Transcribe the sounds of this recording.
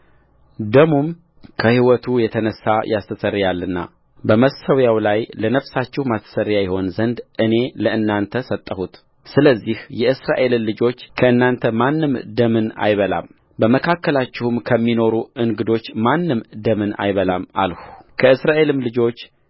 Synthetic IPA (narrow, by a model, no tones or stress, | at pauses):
d̪əmum | kʰəhiwɔt̪ʰujɛt̪ʰənəsːajʔast̪ʰəsərːjalːɨnːa̰ | bəməsəwjawlajlənəfsat͡ʃːɪhmast̪ʰə̥sərjajɛho̞nzənd̪ʔɨne̞ləʔɨnːant̪ʰəsət̪ʼːəhut̪ | sɨləzːihjɛʔɨsɾaʔe̞llɨd͡ʒo̞t͡ʃːkʰəɨnːant̪ʰəmanːɨmd̪əmɨna̰jβəla̰m | bəməkʰakːəlat͡ʃːɪhumkʰəmːino̞ɾuɨŋɡɨd̪o̞t͡ʃːmanːɨmd̪əmɨna̰jβəlama̰lhu̥kʰəɨsɾaʔe̞lɨmlɨd͡ʒo̞t͡ʃː